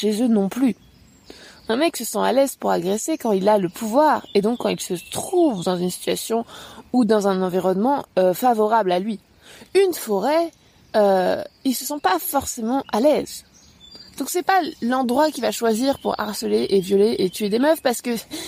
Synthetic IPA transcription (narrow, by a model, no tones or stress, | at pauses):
ʃezønɔ̃ply | ɛ̃mɛksəsɑ̃a̰lɛzpuʁaɡʁesekɑ̃ilaləpʰuvwaːʁed̪ɔ̃kːɑ̃ilsət̪χuvd̪ɑ̃zynsi̥t̪ɥasjɔ̃ud̪ɑ̃zɛ̃nɑ̃viʁɔnmɑ̃øfavɔʁablalɥi | ynfɔʁɛ | øilsəsɑ̃pafɔʁsemɑ̃ʔalɛz | d̪̥ɔ̃ksɛpalɑ̃d̪ʁwakʲivaʃwaziʁpuʁa̰ʁsəleʔevjɔleʔet̪yed̪emœfpaʁsə̥kə